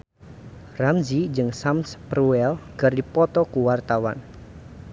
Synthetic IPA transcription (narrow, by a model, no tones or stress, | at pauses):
ramzid͡ʒɨŋsamspɾuɛlɡ̥ardipɔt̪ɔkuwart̪awa̰n